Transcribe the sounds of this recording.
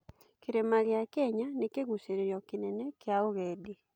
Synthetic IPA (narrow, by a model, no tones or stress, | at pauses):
keɾemaɣeakɛɲanekeɣuseɾeɾjɔkinɛnɛkjaoɣɛdi